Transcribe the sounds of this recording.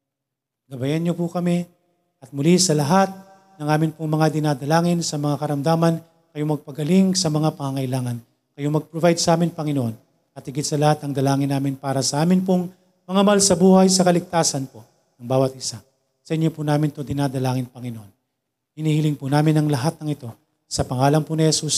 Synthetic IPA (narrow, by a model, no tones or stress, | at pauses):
ɡɐbɐjɐnɲopʊkɐmi | ʔɐt̪̚mʊlisɐlɐɦat̪̚ | nɐŋʔaːmɪnpʊŋmɐŋad̪ɪnad̪ɐlaːŋɪnsɐmɐŋakɐɾɐmd̪aːmɐn | kɐjomɐɡ̚pɐɡɐlɪŋsɐmɐŋapɐŋɐŋɐʔjlaːŋɐn | kɐjomɐɡ̚pɾovajd̪sɐʔaːmɪnpɐŋɪnoʔo̞n | ɐt̪̚hɪɡɪt̪sɐlɐhat̪ɐŋd̪ɐlaːŋɪnːaːmɪnpaːɾɐsɐʔaːmɪnpoŋ | mɐŋamalsɐbuːhɐjsɐkɐlɪɡ̚t̪aːsɐnpo̞ | nɐŋbaːwɐt̪̚ʔɪsa | sɐʔɪɲːopunaːmɪnt̪od̪ɪnad̪ɐlaːŋɪnpɐŋɪnoʔon | hɪnihilɪŋpunaːmɪnɐŋlɐɦat̪̚nɐŋɪt̪o̞ | sɐpɐŋaːlɐŋpunɪhɛsus